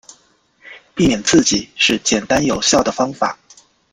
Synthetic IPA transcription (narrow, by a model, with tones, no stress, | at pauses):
pi˥˩mjɛ˨˩nt͡sɹ̩˥˩t͡ɕi˨˩˦ʂɻ̩˥˩t͡ɕjɛ˨˩nt̪a˥njo˨˩ʊɕjɑ˥˩ʊd̪ə˩fɑ˥ŋfa̰˨˩˦